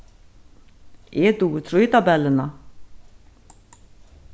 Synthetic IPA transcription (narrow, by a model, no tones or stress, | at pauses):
ʔɛt̪ut̪ʰɾujt̪abɛlːɪna